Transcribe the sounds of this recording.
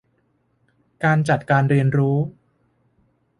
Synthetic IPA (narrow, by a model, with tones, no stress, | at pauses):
kaː˧nt͡ɕa˨˩t̪̚kaː˧nɾi˧ənɾuː˦˥